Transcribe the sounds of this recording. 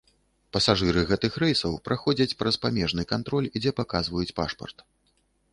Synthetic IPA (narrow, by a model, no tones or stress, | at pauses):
pɐsaʐɨɾɨɣɛt̪ɨxɾɛjsɐwpɾʔaxɔd͡zʲɐt͡sʲpɾɐspamʲɛʐnɨkant̪ɾɔlʲd͡zʲɛpakazvɐjut͡sʲpa̰ʂpɐ̰rt̪